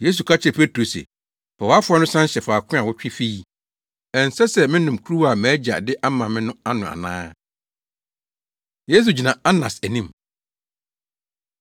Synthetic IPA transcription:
je˦s̬u˨kʰa˦t͡ɕʰɪ˦ɾpʰe˦tɾo˨sɛ̰˨ | pʰɛ˨wa˦fʊ˦a˦nʊ̃˦sã˦n˦ɕɛ˨faː˨kʰʊ̃˦a˨wɔ˦t͡ɕᶣɪ˦fi˦i˨ | ɛ̃˨n̩˨sɛ˦sɛ˨mɪ̃˦nʊ̃˨mkʰu˦ɾu˦wa˨mæː˨˦d͡ʑa̰˨dɪ˦ʔa˦mã˨mɪ̃˦nʊ̃˦a˦nʊ̃˨a̰˨nã̰ː˦ | je˦s̬u˨d͡ʑi˨nã˨a˦nã˨sæ˨nĩ˦m

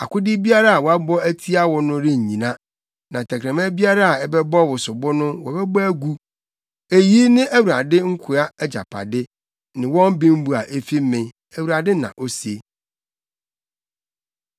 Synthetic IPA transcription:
a̰˨kʰʊ˦dɪ˦bi˦a˦ɾa˦a˨wɔ˨a˦bɔ˦æ˦tʰi˦a˦wɔ˨nʊ̃˦ɾe˦ɲ˨ɲĩ˨nã˦ | nã˨tʰɛ˨kʰɾɛ̃˨mɛ̃˦bi˦a˦ɾa˦a˨ɛ˦bɛ˦bɔ˦wʊ˨sʊ˨bɔ˦nʊ̃˦wɔ˨bɛ˦bæ˦ɡu˦ | e˨ji˦nɪ̃˦ʔæ˦wu˨ɾa˨dɪ˦ŋ̩˦kʰʊ˨a˦d͡ʑa̰˨pʰa̰˨dɪ˦ | nɪ̃˨wɔ̃˦m˦bɪ̃˦m̩˦bu˨a˨ʔe˦fiː˦ɪ̃˨ | æ˨wu˨ɾa˨dɪ˦nã̰˨ʔo˦se˦

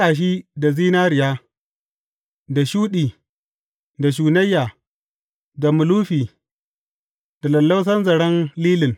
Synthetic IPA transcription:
aː˨ʃ̬iː˦da˨ziː˦naː˦ɾɪ˨jaː˦ | da˨ʃuː˦ɗiː˨ | da˨ʃ̬uː˨nɐ˦jːa˨ | da˨mʊ˨luː˦ɸiː˨ | d̥a˨lɐ˨lːɐ˦ws̬ɐ˦nzɐ˨ɽɐ˦nliː˦lɪ˨n

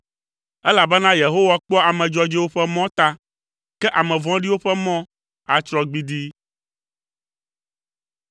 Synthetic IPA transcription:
ɛ˦la˨bɛ˦nã˦je˨ɦo˦wa˨k͡pɔ˦a˨mɛ̃˨d͡ʒɔ˦d͡ʒɛ˦wo˦ɸɛ˦mɔ̃˦t̪a˦ | kɛ˦ʔa˨mɛ̃˨vɔ̃˦ɖi˦wo˦ɸɛ˦mɔ̃˦ | a˨t͡ʃɾɔ˦ɡ͡bi˦d̪i˦

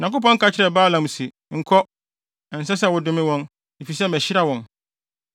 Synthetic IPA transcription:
ɲ˨ã˨nkʊ˦p̬ɔ̃˦ŋ̩˦kʰa˨˦t͡ɕʰɪ˦ɾɛ˨baː˦lã˨m̩˨si˨ | ŋ̩˨kʰɔ˦ | ɛ̃˨n̩˨sɛ˦s̬ɛ˦˨wʊ˦dʊ̃˦mɪ̃˦wɔ̃˦n | e˨fi˨s̬ɛ˦mɛ˨ɕɪ˦ɾa˦wɔ̃˨n

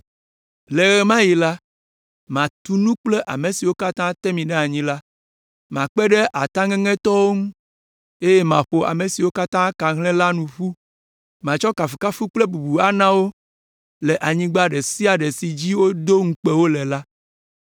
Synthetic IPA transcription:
lɛ˨ɣɛ˨mã˦ji˨la˦ | mã˨t̪u˦nũ˦k͡plɛ˦ʔa̰˨mẽ˨si˨wo˦ka˦t̪ã˦t̪ɛ˦mĩ˨ɖɛ˦a˨ɲĩ˦la˦ | mã˨k͡pɛ˦ɖɛ˦ʔa˨t̪ã˦ŋɛ̃˦ŋɛ̃˦t̪ɔ˦wo˦ŋũ˦ | e˦jɛ˦mã̰˨ɸo˨ʔa̰˨me˨si˨wo˦ka˦t̪ã˦kã˨ɦlɛ̃˦la˦nũ˨ɸu˦ | mã˨t͡ʃɔ˦ka˨fi˨ka˦fu˦k͡plɛ˦bu˨bu˨a˦nã˦wo˦ | lɛ˨ʔa˨ɲĩ˦ɡ͡ba˦ɖɛ˨si˦a˨ɖɛ˨si˨d͡ʑi˦wo˦d̪o˦ŋ̩˦k͡pe˦wo˦lɛ˨la˦

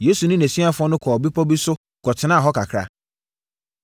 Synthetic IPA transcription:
jeː˦su˨nʊ̃˦næ̃˨sĩ˦a˦fʊ˦ɔ̃˦nʊ̃˦kʰɔ˨bi˦pʰɔ˦bi˦sʊ˦ | kɔ˨tʰɪ˨˦nã˦˨ɦɔ˦kʰa˨kʰɾa̰˦˨

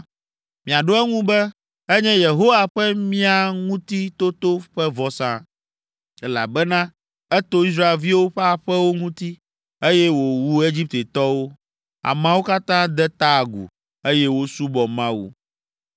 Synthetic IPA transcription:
mĩ˨a˨ɖo˦ɛ˦ŋũ˦bɛ˦ | ɛ˦ɲɛ̃˦je˨ɦo˦wa˨ɸɛ˦mĩ˦a˨ŋũ˦t̪i˦t̪o˦t̪o˦ɸɛ˦vɔ˦sã̰˦ | ɛ˦la̰˨bɛ˦nã˦ | ɛ˦t̪o˦i˦s̬ɾa˦˨e˨vi˦wo˦ɸɛ˦a˨ɸɛ˦wo˦ŋũ˦t̪i˦ | e˦jɛ˦wo˨wu˦e˦d͡ʑi˦p̚t̪e˨t̪ɔ˦wo˦ | a̰˨mã˦wo˦ka˦t̪ã˦d̪ɛ˦t̪a˦˨ɡṵ˨ | e˦jɛ˦wo˦su˦bɔ˨mã˦wṵ˦

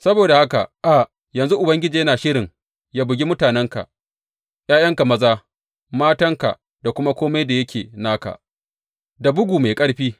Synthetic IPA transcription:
sɐ˦boː˨da˨ha˦ka̰˨ʔʔa˨ | jɐ˨nzu˦ʔʊ˨bɐ˦ŋɡʲɪ˦d͡ʒiː˨jɐ˦naː˨ʃɪ˦ɽɪ˨ŋ | jaː˦bʊ˨ɡʲi˦mʊ˦taː˨nɛ˦ŋka̰˨ | j̰aː˦jɐ˦ŋka˨mɐ˦zaː˦ | maː˦tɐ˦ŋka̰˨ | da˨kʷʊ˦ma˦kʷoː˦ma˦jda˨jɐ˦kʲeː˨naː˦ka̰˨ʔ | da˨bʊ˦ɡʷuː˨ma˨kʼɐ˦ɽɸiː˦

